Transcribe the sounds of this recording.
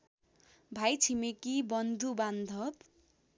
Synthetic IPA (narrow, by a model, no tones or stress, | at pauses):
bʱajt͡sʰimekibʌnd̪ʱuband̪ʱʌb